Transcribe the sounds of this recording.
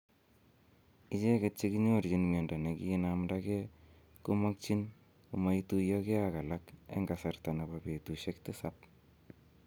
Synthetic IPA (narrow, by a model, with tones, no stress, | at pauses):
it͡ʃe˦ket͡ʃːiki˦ɲo˦ɾd͡ʒinme˨nda˨ne˨kiː˦namdake | kʊ˦ma˦k̚t͡ʃi˦n | kuma˦itu˦jɔke˦aka˨lakḛ˦ŋɡasarta˨na˨bape˨tuʃe˦ktɪ˦sap̚